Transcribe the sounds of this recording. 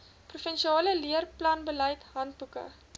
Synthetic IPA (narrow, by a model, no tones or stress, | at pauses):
prufənʃiɑːləliərplɐnbələjtɦɐnt̚bukə̰